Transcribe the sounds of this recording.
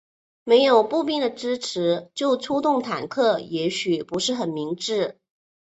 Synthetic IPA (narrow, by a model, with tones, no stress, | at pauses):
me˧˥ɪjo˨˩ʊpu˥˧pji˥˩d̪ə˩ʈ͡ʂɻ̩˥ʈ͡ʂʰɻ̩˧˥t͡ɕjo˥˩ʊʈ͡ʂʰu˥t̪ʊ˥˩ŋt̪ʰa̰˨˩nkʰɤ˥˩jɛ˧˥ɕy˨˩pu˧˥ʂɻ̩˥˩xə˨˩nmi˧˥ŋʈ͡ʂɻ̩˥˩